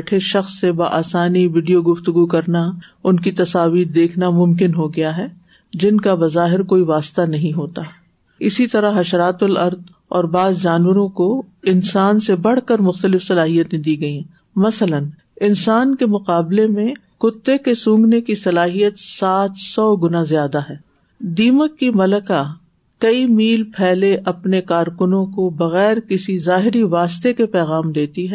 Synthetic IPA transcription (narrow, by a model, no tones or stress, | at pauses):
ʈʰeʃɐxsːebaʔaːsaːniʋiːɖijoɡʊft̪ʊɡukɐɾnaʊnkit̪ɐsaːʋiːɾd̪eːkʰnamʊ̃mkɪnɦoɡɐjaɦɛː | d͡ʒɪnkabɐzaːɦɪɾkoːiʋaːst̪anɐɦĩɦoːt̪a | ɪsit̪ɐɾaɦɐʃɾaːt̪ʊlɐɾd̪ | ɔːɾbaːzd͡ʒaːnwəɾõkoɪnsaːnsebɐɽ̤kəɾmʊxt̪əlɪfsɐlaːɦijət̪ẽd̪iːɡɐĩ | mɐslən | ɪnsaːnkemʊqaːblemẽ | kʊt̪ːekesʊ̃ːŋɡnekisɐlaːɦijət̪saːt̪ʰsɔːɡʊnazijaːd̪aɦɛː | d̪iːməkːimɐləka | kɐimiːlpʰɛːleʔɐpnekaːɾkʊnõkobɐɣɛːɾkɪsizaːɦɪɾiʋaːst̪ekepɛːɣaːmd̪eːt̪iɦɛː